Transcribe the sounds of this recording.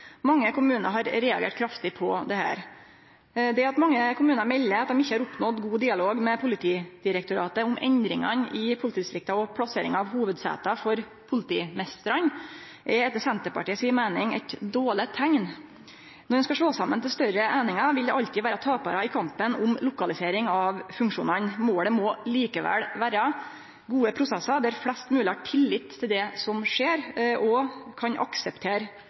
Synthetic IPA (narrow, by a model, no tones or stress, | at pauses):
mɑŋːəkʊmʉːnə̰ɦɑɾɾɛːɑ̰ɡḛːʈ̚kʰɾɑft̪ɪpʰɔd̪ɛhæ̰ːɾ | d̪ɛɑt̪mɑŋːəkʰʊmʉːnəɾmɛlːəɾɑt̪d̪ɔmɪçːəhɑɾʊpnɔd̪ɡuːd̪ɪːɑloːɡmɛpʰʊlɪt̪ʰiːd̪̥ɪɾək̚t̪ʊɾɑ̰ːt̪əʊmʔɛ̰nd̪ɾɪŋɑ̰nʔɪpʰʊlɪt̪iːd̪ɪst̪ɾɪk̚t̪ɑɔpʰlɑseːɾɪŋɑʋhuːʋəd̪sæ̰ːt̪ɑfɔɾ | pʰʊlɪt̪iːmɛst̪əɾən | ʔɛɛt̪ːəsɛnt̪əpɑ̰ʈiːəsiːəmæɪnɪŋɛ̰ɪt̪d̪oːɭɪt̪ʰæŋn | nɔɖɛnskɑʂɭoːsɑmːənt̪ɪlst̪œɾəʔæɪnɪŋɑʋɪld̪ɛʔɑʎt̪ɪʋæːɾɑt̪ʰɑːpɑːɾɑɪkʰɑmpənʊmlʊkɑlɪseːɾɪŋɑʋfʉŋkʂṵːnənmoːɽɛmɔliːkəʋɛ̰lʋæːɾɑ | ɡuːəpʰɾʊsɛsɑd̪æɾflɛst̪mʉːləhɑʈʰɪlːɪt̪ʰːɪld̪ɛsɔmʂeːɾʔɔkʰɑnʔɑ̰ksəpt̪ʰeːɾ